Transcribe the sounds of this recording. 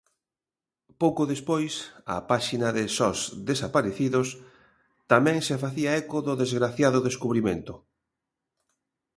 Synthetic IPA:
powkoðespojsɐ̰paʃinɐðɪsɔzðesapaɾeθiðʊs | t̪amɛ̃ŋsefaθiaɛkoðʊðezɣɾaθjaðʊðeskuβɾimḛ̃nt̪ʊ

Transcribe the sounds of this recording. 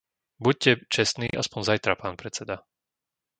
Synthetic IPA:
buc̚cːɛt͡ʃɛsnḭːʔaspɔnzajt̪ɾapaːnpɾɛt͡sɛd̪a

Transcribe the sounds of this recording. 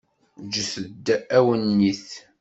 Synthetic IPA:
d͡ʒəθəd̪ːææwənːiθ

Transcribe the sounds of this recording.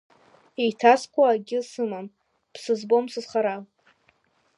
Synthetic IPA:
ejtʰaskʷʼaaɡʲɪsɨmam | pʰsɨzbomsɨzχaɾal

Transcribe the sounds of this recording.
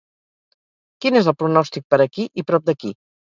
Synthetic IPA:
kinezəlˠpɾunɔst̪ik̚pəɾəkiʔipɾɔp̚d̪əki

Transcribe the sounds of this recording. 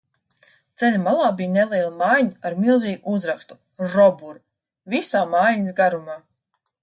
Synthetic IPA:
t̪sɛlʲamalˠaːbijnɛlˠiɛlˠamajɲaaɾmilˠziːɡuuzɾakst̪u̥ | ɾɔbuɾ | visaːmaːjɲisɡaɾumaː

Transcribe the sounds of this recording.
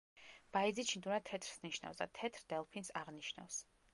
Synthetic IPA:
b̥aid̪zit͡ʃʰind̪unat̪ʰɛt̪ʰɾsniʃna̰fsd̪a̰t̪ʰɛt̪ʰɾd̪ɛlˠpʰinsaʁniʃna̰fs

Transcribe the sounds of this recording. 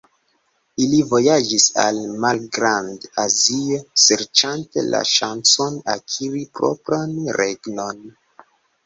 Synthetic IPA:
ilivo̞jad͡ʒisa̰lmalɡɾandaziose̞ɾt͡ʃantḛla̰ʃant͡so̞nakʰiɾipɾo̰pɾanɾeɡno̞n

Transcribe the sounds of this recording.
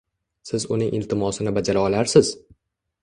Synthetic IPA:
sɪzʊnɪŋʔɪlt̪ʰɪmɒsɪnɪbad͡ʒaɾaɒlaɾsɪz̥

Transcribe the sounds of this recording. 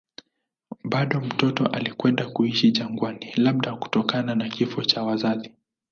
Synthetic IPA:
ɓaɗɔm̩tɔtɔʔalikwɛndakuiʃiʄaŋɡwanilaɓ̚ɗaku̥tɔkananakifɔt͡ʃawazazi

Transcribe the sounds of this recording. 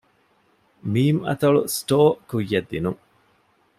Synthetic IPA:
miːmɐ̰t̪ɐɭusʈoːkujːɐd̪ːinuŋ

